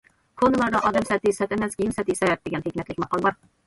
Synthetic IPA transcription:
kʰonɨlˠɑɾd̪ɑʔɑd̪ɛmsɛt̪ɪsɛt̪ɛmɛskʲijinsɛt̪isɛbɛp̚d̪eɡʲɛnhekʲmɛt̪lɪkʲmɑqʰɑlˠbɑɾ

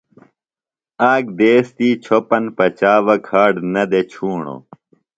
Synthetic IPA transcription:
aːɡd̪eːst̪iːt͡ɕʰopɐnpɐt͡ɕaːʋɐkʰaːɖnɐd̪et͡ɕʰuːɳo̰ː

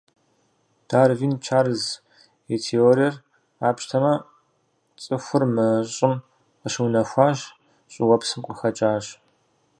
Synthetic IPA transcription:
d̥aːrviːnt͡ʃʰaːrɨz | etʰeoːɾijɛr | aːpʃtʰɐmɐ | t͡sʼɨxʷʊrmɨɕʼɪm | əɕwnɐxʷaːʒ | ɕʼɪwɐpsɨmqʷʼəxɐt͡ʃʼaːɕ

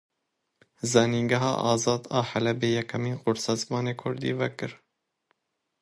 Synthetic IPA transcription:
zɑːniːŋɡæɦɑ̰ːʔɑːzɑːd̪ɑːħælɛbeːjɛkʰɛmiːnqʊɾsɛzmɑːneːkʰʊɾd̪ḭːvɛkɨɾ

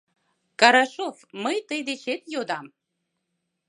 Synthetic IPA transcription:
kɑɾɑʃofməjt̪əjd̪et͡ɕet̪jod̪ɑm

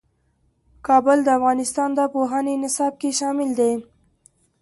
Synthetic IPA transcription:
kɑbəld̪əafɣɑnɪst̪ɑnd̪əpoɦɑnenɪsɑb̚keʃɑmɪld̪e

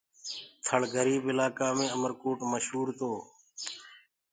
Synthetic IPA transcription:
t̪ʰəɭɡʱəɾiːbɪlaːkaːmẽːəməɾkoːʈməʃɦuːɾt̪oː

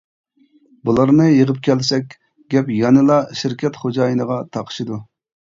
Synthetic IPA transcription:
bulˠɑɾnɨjəʁəp̚kʲʰɛlsɛkʲ | ɡʲɛpjɑnɨlˠɑʃiɾkʲʰɛt̪χod͡ʒɑːjɨnəʁɑt̪ʰɑqʰə̥ʃɨd̪u

